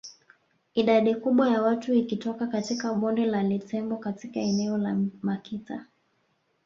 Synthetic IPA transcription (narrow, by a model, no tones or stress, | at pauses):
iɗaɗikuɓwajawatuikitɔkakatikaɓɔndɛlalitɛmbɔkatikaɛnɛɔlamakita